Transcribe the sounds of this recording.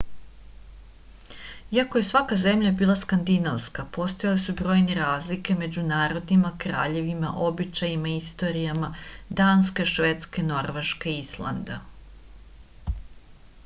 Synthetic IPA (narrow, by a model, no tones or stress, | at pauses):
iako̞je̞sʋakaze̞mʎabiːlˠaskand̪inaʋskapo̞st̪ojalesubɾo̞ːjneɾaːzlike̞me̞d͡ʑunaːɾo̞d̪nimakɾa̰ːʎe̞ʋima̰ʔo̞bit͡ʃajimaist̪o̞ɾijamad̪aːnskeʃʋet̪skeno̞ɾʋe̞ʃkeislˠa̰nd̪a̰